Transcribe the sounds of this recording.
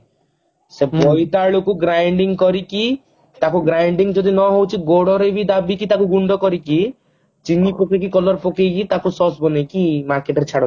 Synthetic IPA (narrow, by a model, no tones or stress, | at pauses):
sebɔjt̪aɭokuɡɾajɳɖiŋkɔɾiki | t̪akuɡɾajɳɖiŋd͡ʒɔd̪inɔɦowt͡ʃʰiɡoɽɔɾebid̪abikit̪akuɡuɳɖɔkɔɾiki | t͡ʃinipokek̬ikɔlɔɾpokejkit̪akusɔsbɔnekimaɾkeʈɔɾet͡ʃʰaɽɔ